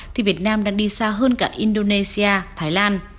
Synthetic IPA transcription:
t̪ʰi˨˩vi˨˩ət̚naː˧mɗa̰ː˧ŋɗi˧saː˧ɦəː˧nkaː˧˩ʔi˧nɗo˧ne˧si˧ʔaː˧t̪ʰaː˨˦jlaː˧n

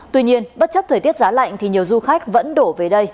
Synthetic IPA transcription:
t̪wi˧ɲi˧ənɓə˦˥t̚t͡ɕə˦˥p̚t̪ʰəː˨˩t̪i˦˥ət̚zaː˨˦la̰˧˨jŋ̟t̪ʰi˨˩ɲi˨˩əwzu˧xa˦˥jk̟̚və̰˧˥nɗo˧˩ve˨˩ɗə˧j

